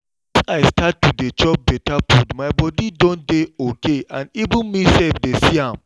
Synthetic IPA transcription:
aɪstattːudet͡ʃɔp̚bɛtapudmaɪbɔdidõntdeokeãnivĩnmisɛlfdesiãm

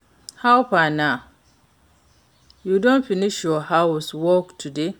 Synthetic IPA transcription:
hawpana | judɔ̃nfiniʃjɔhawswɔktʰude

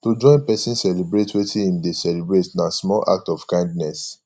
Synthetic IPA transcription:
tod͡ʒɔ̃ɪ̃npɛsĩnsɛlibɹetwetʰĩhĩmdesɛlibɹetnasmɔlʔa̰k̚tɔfkãɪ̃ndnɛs

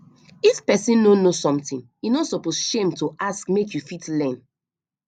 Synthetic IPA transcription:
ifpɛsĩnnonosɔ̃mtĩnjinɔtsɔposʃẽmtoʔaskmekjufitlɛ̃n

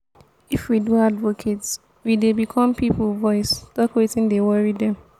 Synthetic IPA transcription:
ifwidũadvokʰets | widebikʰɔ̃mpiplvɔɪsd̥ɔkɔɹetĩndewɔɹidɛ̃m

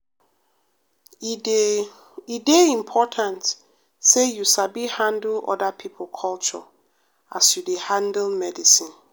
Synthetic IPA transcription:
ideĩmpʰɔtʰãnt | sejusabihãndl̩ɔ̰dapʰipʰlkʰɔlt͡ʃɔ̰ | asjudehãndlmɛdisĩn

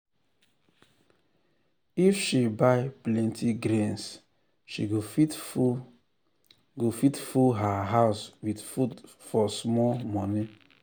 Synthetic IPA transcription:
ifʃibaɪplɛ̃ntʰiɡɾẽns | ʃḭɡofi | ɡofitfuɦaɦaʊswidfud | fɔsmɔlmɔni

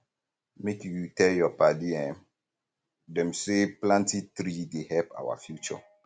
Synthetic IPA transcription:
mekjutɛljɔpadiɛ̃ | dɛ̃mseplãntitɾidehɛpa̰wa̰fjut͡ʃɔ̰

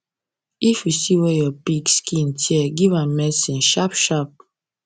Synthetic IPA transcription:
ifisiwejɔpikskʰĩntʰiɛɡivãnmɛsĩnʃapʃap̚

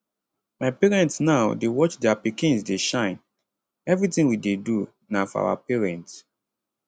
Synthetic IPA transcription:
maɪpɛɹɛ̃ntsnaʊdewɔt͡ʃdɛapikĩnsdeʃãɪ̃n | ɛvɹitĩŋwidedu | nafɔa̰wa̰pɛɹɛ̃nts

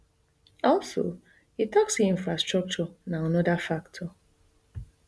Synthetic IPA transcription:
ɔlso̰ | itɔksiĩɱfɹastɹɔk̚t͡ʃɔnaanɔdafaktʰɔ

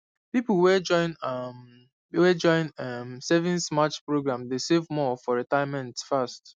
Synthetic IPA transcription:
pipl̩wɛd͡ʒɔ̃ɪ̃na | wɛd͡ʒɔ̃ɪ̃namsɛvĩnsmat͡ʃpɹoɡɹãmdesevmɔfɔɹitaɪmɛ̃ntfast

